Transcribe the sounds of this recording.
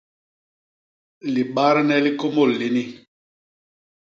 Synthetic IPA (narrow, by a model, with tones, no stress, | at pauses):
li˨ɓa˦ɾnɛ˦li˦ko˦mo˦˨lli˨ni˦